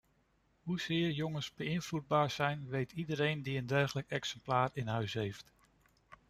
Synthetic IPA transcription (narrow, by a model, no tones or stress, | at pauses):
ɦuz̥ɪːɹjɔŋənsbəɪnvlud̚baːɹzɛjnʋejtʰidəɾejndiəndɛrχələkɛksɛmplaːrɪnɦœɥsɦejft